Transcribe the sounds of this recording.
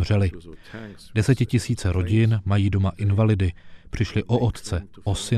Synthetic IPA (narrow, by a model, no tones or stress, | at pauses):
r̝ɛlɪ | dɛsɛcɪcɪsiːt͡sɛɾʔo̞ɟɪnmajiːdo̞maʔɪnvalɪdɪpr̝̥ɪʃlɪʔo̞ʔot̪t͡sɛʔosɪ